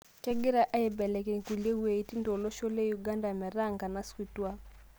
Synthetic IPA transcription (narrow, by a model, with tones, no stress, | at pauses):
t͡ʃɛ˦ɡɪ˦ɾa˨ʔa˦e˨bɛ˨lɛ˨ke˨ku˨le˦we˨i˦ti˦ndo˨lɔ˦ʃo˦le˦ju˨ɡa˦nda˨mɛ˨ɾa˦˨ŋɡa˨na˨˦ski˨twa˦